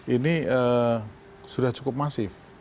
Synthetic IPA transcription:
ʔiniə | sudaht͡ʃu̥kʊp̚masɪf

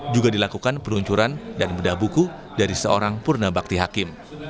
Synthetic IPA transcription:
d͡ʒuɡadilakukanpəluɲt͡ʃuɾandanmudahbuku | daɾisəo̰ɾaŋpurnabak̚t̪iɦakɪm

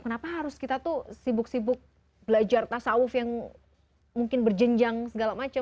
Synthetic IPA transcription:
kənapaɦaɾʊskit̪at̪usibʊk̚sibʊk̚ | bəlad͡ʒart̪asaʊfjaŋ | muŋkɪnbərd͡ʒəɲd͡ʒaŋsəɡalamat͡ʃa

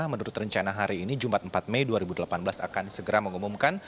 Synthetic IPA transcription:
ahmənuɾʊt̪rəɲt͡ʃanaɦaɾiːnid͡ʒumat̪̚əmpat̪̚mejduaɾibudəlapanbəlasa̰kansəɡəɾaməŋumumkan

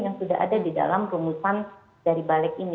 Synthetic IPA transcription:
jaŋsuda̰ɦa̰dadida̰lamɾumusan | daɾibalɛkini

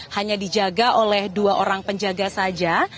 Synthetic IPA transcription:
haɲadid͡ʒaɡaʔolɛhduaʔoɾaŋpəɲd͡ʒaɡasad͡ʒa

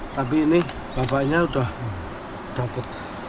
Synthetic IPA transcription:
t̪ap̬inih | b̥apaʔɲaud̪ah | t̪apət̪̚

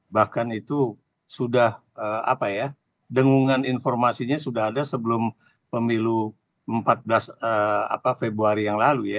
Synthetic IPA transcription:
bahkanit̪u | sudah | əa̰paja | dəŋuŋaninfɔrmasiɲasudaɦadasəbəlʊm | pəmilu | əmpat̪̚bəlasəa̰pafebɾuaɾijaŋlaluja

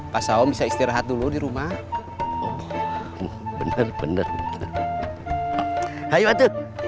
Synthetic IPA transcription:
pasaɔmbisaist̪iɾaɦat̪̚duludiɾuma | bənərbənərbənə | hajuat̪uk̚

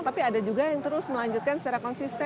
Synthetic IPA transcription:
t̪apiadad͡ʒuɡajaŋt̪əɾʊsməlaɲd͡ʒut̪̚kansə̥t͡ʃaɾakɔnsist̪ɛ

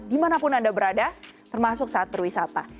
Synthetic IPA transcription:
dimanapʊnandabəɾadat̪ərmasʊk̚saat̪̚bərwisat̪a

